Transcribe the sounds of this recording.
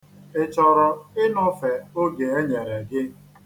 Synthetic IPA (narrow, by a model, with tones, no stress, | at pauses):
ɪ˨t͡ʃɔ˨ɾɔ˨ɪ˦nɔ˦fe˨o˦ɡe˨e˦ɲe˨ɾe˨ɡɪ˦